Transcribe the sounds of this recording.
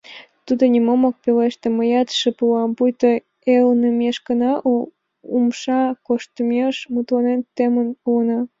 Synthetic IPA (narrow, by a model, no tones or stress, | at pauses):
t̪ud̪onʲimomok̚peleʃt̪ĕməjɑt̪ʃəpuɑmpujt̪o | elnəmeʃɡənɑʔ | umʃɑkoʃt̪əmeʃmut̪lɑnent̪emənuənɑ